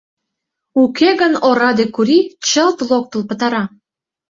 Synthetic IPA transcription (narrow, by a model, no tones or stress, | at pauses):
ukeɣənoɾɑd̪ekuɾit͡ɕəlt̪lok̚t̪ə̆lpə̆t̪ɑɾɑ